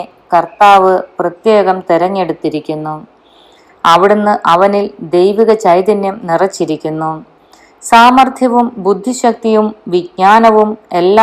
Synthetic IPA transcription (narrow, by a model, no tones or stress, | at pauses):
kɐrt̪aːʋɨprɐt̪je̞ːɣɐmt̪iɾɐɲːe̞ɽut̪ːiɾikʲːunːu | ɐʋiɽenːɨʔɐʋɐnild̪e̞jʋiɣɐt͡ɕɐjd̪ɐnjɐmnirɐt͡ɕːiɾikʲːunːu | saːmɐrt̪ʰjɐʋumbud̪ʱːiɕɐk̚t̪ijumʋiɡ̚ɲaːnɐʋume̞lːa